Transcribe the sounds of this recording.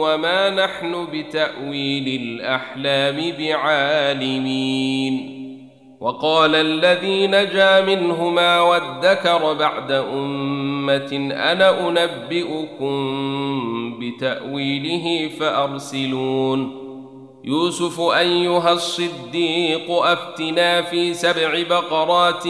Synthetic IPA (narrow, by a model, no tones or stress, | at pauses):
wamaːnaħnʊbɪt̪aʔwiːlɪlʔaħlaːmɪbɪʕaːlɪmiːn | wʔɑqɑːlalːaðiːnad͡ʒaːmɪnɦʊmaːwaðːakɑɾˤbaʕd̪aʔʊmːat̪ɪʔa̰naʔʊnabːɪʔʊkʊm | bɪt̪aʔwiːlɪɦɪfaʔɑɾˤsɪluːn | juːsʊfʊʔajːʊɦasˤːɨd̪ːiːqʊʔaft̪ɪnaːfiːsabʕɪbɑqɑɾˤɑːt̪